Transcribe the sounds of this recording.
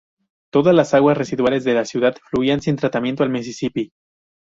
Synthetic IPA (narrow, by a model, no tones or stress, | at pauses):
t̪o̞ðazlasaɣwasre̞siðwale̞zðe̞lasjuðað̥fluiansint̪ɾat̪amjent̪oalmes̬esipi